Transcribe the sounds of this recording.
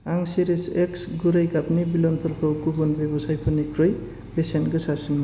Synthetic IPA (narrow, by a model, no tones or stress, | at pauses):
aŋsiɾiseksɡuɾajɡapnibilɔnpʰɯɾpʰɯwɡubɔnbebɔsajpʰɯnikʰɾɯj | besenɡɯsasinma